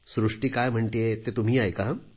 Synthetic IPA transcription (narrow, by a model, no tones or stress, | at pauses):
sɾuʂʈiːkajm̤əɳt̪eet̪et̪um̤iːajka